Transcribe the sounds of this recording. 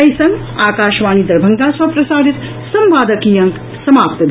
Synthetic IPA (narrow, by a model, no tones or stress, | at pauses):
ɐjsɐŋɡ | aːkaːʃʋaːnid̪ɐɾbʱɐŋɡaːsʋɐpɾɐsaːɾit̪ | sɐmʋaːd̪ɐkijɐŋk | sɐmaːp̚t̪ɐd̪